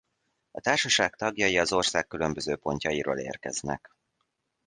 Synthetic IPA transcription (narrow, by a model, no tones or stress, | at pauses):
ɒt̪aːrʃɒʃaːkt̪ɒɡjɒjiɒzo̞rsaːkːylø̞mbø̞zøːpo̞ɲcɒjiɾoːlḛːrkɛ̰znɛ̰k